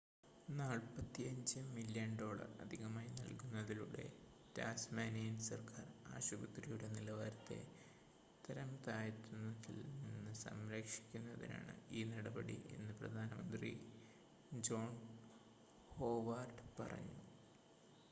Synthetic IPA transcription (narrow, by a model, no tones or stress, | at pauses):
naːɭpɐt̪ːiɐɲd͡ʑɨmiljɐɳɖo̞ːɭɐ̰rɐ̰d̪ʱiɣɐmaːjinɐ̰lkunːɐðiluɽe̞̰ | taːsmaːnijinsɐrkaːra̰ːɕubɐt̪rijuɽe̞nilɐʋaːɾɐt̪ːe̞̰ | t̪ɐɾɐmt̪aːjɐt̪ːunːɐðilinːɨsɐ̰mɾɐkʂi̥kʲːunːɐðḭna̰ːɳɨ̰iːnɐɽɐbɐɽḭʔe̞̰nːɨprɐ̰d̪ʱaːnɐmɐnd̪rḭ | d͡ʑo̞ːɳ | ho̞ːʋaːrɖɨpɐ̰rɐ̰ɲːu